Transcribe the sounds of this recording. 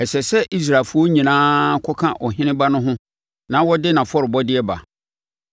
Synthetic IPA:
ɛ˨sɛ˨sɛ˦ʔi˦s̬ɾa˨lfu˦ɔ˦ɲĩ˨nãː˦kʰɔ˦kʰã˦ʔɔ˨ɦɪ̃˦nɪ̃˦ba˦nʊ̃˦ɦʊ̃˦ | nã˨˦wɔ˦dɪ˦nã˨fɔ˦ɾɪ˨bɔ˦dɪ˦ɛ˦ba̰˨

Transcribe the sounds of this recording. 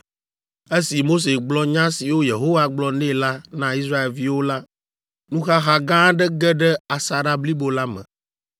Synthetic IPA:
e˦si˨mo˦s̬e˨ɡ͡blɔ˦ɲã˦si˨wo˦je˨ɦo˦wa˨ɡ͡blɔ˦nɛ̃˦la˦nã˦i˦sɾa˦e˨lvi˦wo˦la˦ | nũ˦xa˦ɦa˦ɡã˦ɖɛ˦ɡɛ˦ɖɛ˦a˨sa˨ɖa˦bli˦bo˨la˦mɛ̰̃˨

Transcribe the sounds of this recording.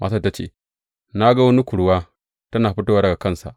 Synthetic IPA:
ma̰˦sa˦˨˦ta˦t͡ʃḛː˦˨ | na˦ɡa˦wɐ˦ni˦kʷʊ˨ɽwaː˦ | tɐ˦naː˨ɸi˦ta˦waː˦dɐ˨ɡa˨kɐ˦˨nsa̰˨ʔ

